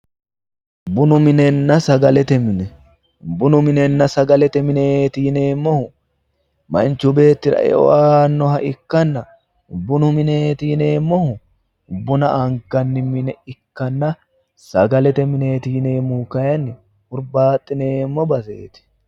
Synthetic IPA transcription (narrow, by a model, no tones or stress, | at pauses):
bʊnʊmɪnɛnːɐsɐɡɐlɛt̪ɛmɪnɛ | bʊnʊmɪnɛnːɐsɐɡɐlɛt̪ɛmɪneːt̪iːne̞ːmːɔhʊ | mɐ̰nt͡ʃːʊbe̞ːt̪ːɪɾɐ̰ʔɛ̰ɔ̰ʔaːnːɔɦɐʔɪkːɐnːɐ | bʊnʊmɪneːt̪iːne̞ːmːɔhʊ | bʊnɐʔɐŋkːɐnːɪmɪnɛɪkːɐnːɐ | sɐɡɐlɛt̪ɛmɪne̞ːt̪iːne̞ːmːʊkɐjɐnːɪ | hʊɾbaːt̪ʼːɪneːmːɔbɐsḛːt̪ɪ̥